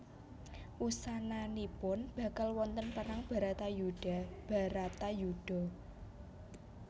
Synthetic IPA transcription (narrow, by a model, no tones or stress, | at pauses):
ʔusananipʊnb̥ä̤kalwɔnt̪ənpəɾaŋb̥a̤ɾat̪ajuɖ̥a̤b̥a̤ɾat̪ajuɖ̥ɔ̤